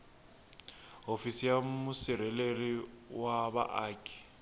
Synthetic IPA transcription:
ɦofisijamʊsɪɾɛleriwaba̰ʔaːkʼi̥

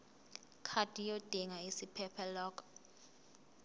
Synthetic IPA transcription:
kʰad̥ʱʼijod̥ʱiŋaisipʰɛpʰɛlɔːkʰʼɔ̥

